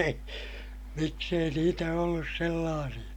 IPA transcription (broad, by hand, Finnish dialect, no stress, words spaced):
ei miks ei niːtæ olːus selːɑːsij̆ɑ